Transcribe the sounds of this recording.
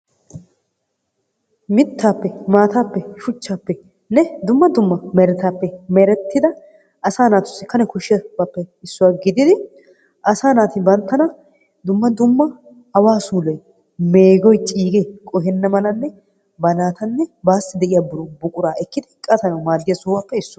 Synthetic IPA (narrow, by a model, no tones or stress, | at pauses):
mɪt̪ːaːpːɛmaːt̪aːpːɛʃʊt͡ʃːaːpːɛ | nɛd̪ʊmːɐd̪ʊmːɐmɛɾɛt̪aːpːɛmɛɾɛt̪ːɪd̪ɐ | ɐsaːnaːt̪ʊ̥sːɪ̥kɐnɛkʊʃːɪjɐbaːpːɛɪsːʊwaːɡɪd̪ɪd̪ɪ | ʔɐsaːnaːt̪ɪbɐnt̪ːɐnɐ | d̪ʊmːɐd̪ʊmːɐ | ɐwaːsuːlɔj | meːɡɔjt͡ʃʼiːɡɛkʼɔhɛnːɐmɐlɐnːɛ | bɐnaːt̪ɐnːɛbaːsːɪd̪ɛʔɪjaːbʊɾʊbʊkʼʊɾaːɛkːɪd̪ɪkʼɐt̪ɐnɐwmaːd̪ːɪjɐsʊːwaːpːɛɪsːʊ